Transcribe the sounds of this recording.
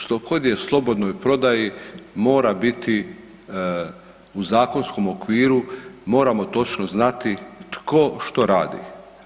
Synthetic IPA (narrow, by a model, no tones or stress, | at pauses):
ʃt̪o̞ko̞d̪jeslˠo̞bo̞d̪no̞jpɾo̞d̪ajimo̞ːɾabit̪i | uzaːko̞nsko̞mo̞kʋiːɾumo̞ːɾamo̞t̪o̞t͡ʃnoznat̪it̪kʰo̞ʃt̪o̞ɾaːd̪ḭ